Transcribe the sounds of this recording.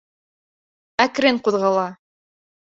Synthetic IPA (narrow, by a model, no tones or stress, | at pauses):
ækɾɘɴquðʁɑlˠɑ